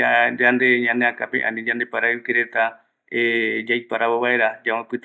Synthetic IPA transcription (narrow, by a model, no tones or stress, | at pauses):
ad͡ʒand̪eɲãneakapḛ̃ʔa̰nĩd͡ʒand̪epaɾaɨkeɾet̪a | ed͡ʒajpaɾaβoβaeɾad͡ʒamãpɨt̪